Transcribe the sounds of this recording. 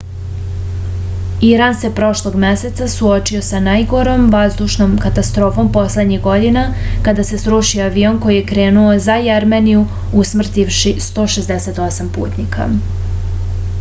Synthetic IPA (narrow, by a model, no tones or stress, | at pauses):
iɾanse̞pɾo̞ʃlˠo̞ɡmese̞t̪sasuo̞t͡ʃio̞sanajɡo̞ɾo̞mʋazd̪uʃnomkat̪ast̪ɾo̞ːfo̞mpo̞slˠe̞d̪ɲiɣɡo̞d̪inakad̪ase̞sɾuʃioaʋio̞nko̞jije̞kɾe̞ːnuo̞zajaɾmeniju | usmr̩t̪iʋʃist̪o̞ːʃe̞zd̪ese̞t̪o̞sampṵːt̪nikʰa̰